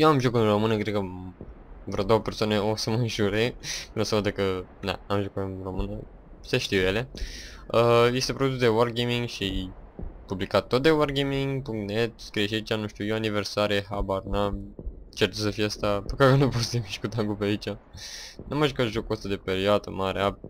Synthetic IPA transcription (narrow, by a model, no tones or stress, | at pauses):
jewamʒokɨnromɨnəkɾet̪̚kə | vɾod̪o̞wəpe̞rsoaneosəməɨnʒuɾenosəvəd̪əkəna̰amʒokuɨnromɨnə | seʃt̪iwjele̞ | əje̞st̪e̞pɾod̪us̬d̪ewarɡemiŋɡʃiajpublikat̪ːot̪̚d̪ewarɡemiŋɡpuŋkt̪net̪skɾieʃ̬iait͡ʃanũʃt̪ʲujoanive̞rsaɾieɦabarnamt͡ʃert͡ʃ̪əsəfijeast̪apəkakənuposemiʃkut̪aŋɡupeait͡ʃanʔaməʒukat̪ʒokuost̪ad̪e̞peɾioad̪ə̰maɾea